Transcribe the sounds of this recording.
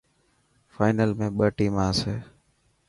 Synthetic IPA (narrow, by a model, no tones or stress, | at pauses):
faːɪnəlmẽːɓəːʈiːmãːseː